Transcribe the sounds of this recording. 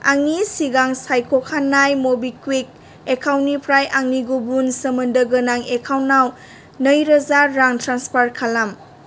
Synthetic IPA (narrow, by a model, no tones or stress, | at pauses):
a̰ŋnisiɡaŋsajkʰokʰanːajmobikwik̚ | ekʰawnipʰɾajʔaŋniɡubunsəmɐndəɡɐnaŋekʰawnːaw | nəjɾɐzaːaŋtɾanspʰaɾkʰalam